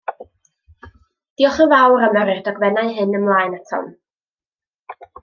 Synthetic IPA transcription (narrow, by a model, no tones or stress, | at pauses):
d̥iɔχəvawɾaməɾɨdɔɡvɛnaɨɦɨnəmlˠaːjnatʰɔ̰n